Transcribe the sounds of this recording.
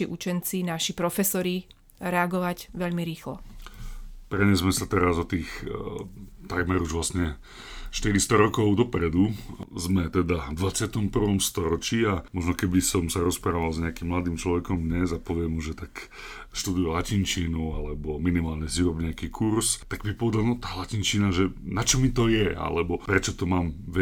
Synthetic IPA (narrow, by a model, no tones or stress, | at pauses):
iʔut͡ʃɛnt͡sinaʃipɾɔfɛsɔɾi | ɾɛaɡɔʋaɟʋɛʎmiɾiːxlɔ̰ | pɾɛɲɛzmɛsat̪ɛɾazɔt̪iːx | t̪aɡmɛɾuʒʋlasɲɛ | ʃt̪iɾist̪ɔɾɔkɔʊd̪ɔpɾɛd̪uzmɛt̪ɛd̪avd̪ʋat͡sɪat̪ɔmpr̩ʋɔmst̪ɔɾɔt͡ʃiamɔʒnɔkɛbisɔmsaɾɔspɾaːʋalzɲɛakimːlad̪iːmt͡ʃlɔʋɛkɔmd̪ɲɛzapɔʋɪɛmuʒɛt̪ak | ʃt̪ud̪ujulacint͡ʃiːnualɛbɔminimaːlɲɛsiʋɔbɲɛakiːkʰuɾst̪aɡbipɔʋɛd̪alnɔt̪aːlacint͡ʃiːnaʒɛnat͡ʃɔmit̪ɔjɛa̰lɛbɔpɾɛt͡ʃɔt̪ɔmaːmʋɛ